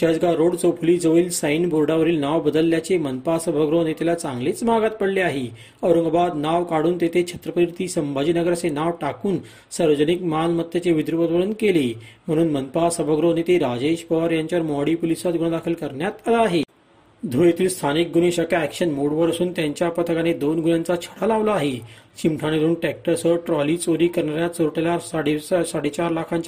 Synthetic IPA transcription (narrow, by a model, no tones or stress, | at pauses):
t̪jad͡zɡaɾoɽt͡sopʰuliːd͡zəʋiːlsəjnbʱoɾɖaʋəɾiːlnaʋbəd̪əlːjat͡semənpasəbʱəɡɾonet̪elat͡sãŋɡlet͡smaɡat̪̚pəɽleaɦi | əʋɾəŋɡbad̪naʋkaɽuːnt̪et̪ʰet͡ɕʰət̪ɾəpəɾiɾt̪iːsəmbad͡ʑiːnəɡəɾat͡senaʋʈakuːn | səɾʋəd͡zənikmanmət̪ːjat͡seʋid̪ɾupəd̪ʋəɾənkelem̤əɽ̃uːnmənpasəbəɡɾonit̪eɾad͡ʑeɕpəʋəɾjaɲt͡ɕaɾmɔɽipolisat̪ɡuɽ̃əd̪akʰəlkəɾɳjat̪alaːɦe | d̪ʱuɭet̪iːlst̪ʰanik̚ɡuneɕəkaækɕənmoɽʋəɾsuːnt̪jaɲt͡ɕjapət̪ʰəkaned̪onɡʱunjãnt͡sat͡ɕʰəɽ̤alaʋlaaɦet͡ɕimʈʰañed̪uːnʈek̚ʈəɾsəʈɾɔliːt͡soɾiːkəɾɳaɾjat͡soɾʈelaɾsaɽesaɽet͡ɕaɾlakʰãɲt͡ɕ